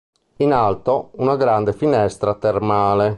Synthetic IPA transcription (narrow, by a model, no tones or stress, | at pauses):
inalt̪ounaɡɾand̪efinɛst̪ɾat̪ermaːle